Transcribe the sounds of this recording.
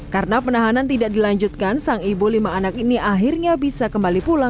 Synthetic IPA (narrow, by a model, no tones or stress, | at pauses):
karənapənaɦanant̪idaʔk̚dilaɲd͡ʒut̪̚kansaŋibulimaːnak̚iniaɦirɲabisakəmbalipulaŋ